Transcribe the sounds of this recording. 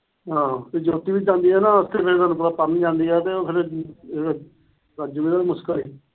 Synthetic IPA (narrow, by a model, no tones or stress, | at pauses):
ɦãːed͡ʒoːt̪iːʋɪt͡ʃd͡ʒãːnd̪iːɦɛːnaːəst̪ʰeːpʰeɾt̪aːnũːpəɾaːpəɾniːd͡ʒãːnd̪iːɛːt̪eːoːpʰeɾ | ɾad͡ʒuɡiːd̪aːemʊskəliː